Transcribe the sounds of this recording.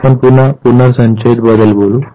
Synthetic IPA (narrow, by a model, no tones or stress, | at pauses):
pənpunapunəɾsəɲt͡ɕəjt̪̚bəd̪əlbolu